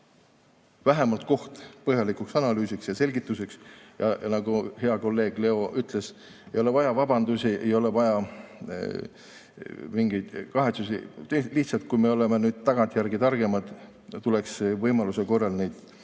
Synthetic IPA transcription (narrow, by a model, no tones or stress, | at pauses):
væɦemɑlt̪̚ko̞ht̪pɤɦjɑlikˑuksɑnɑlyːsiksjɑse̞lʲɡit̪ːˑuseksjɑnɑɡ̥uhe̞ɑko̞lːe̞ːɡ̥le̞o̞ʔyt̪ˑle̞s | ejo̞le̞vɑjɑvɑb̥ɑnd̪̥usʲiʔe̞̰jo̞le̞vɑjɑ | miŋɡ̥ijd̪̥kɑɦe̞t̪susḭliht̪sɑlt̪̚kujmeo̞le̞menyːd̪̥̚t̪ɑɡ̥ɑnt̪ʲˑjærɡ̥it̪ɑrɡ̥e̞mɑd̪̥ | t̪ule̞ksvɤjmɑluseko̞rːɑlnejd̪̥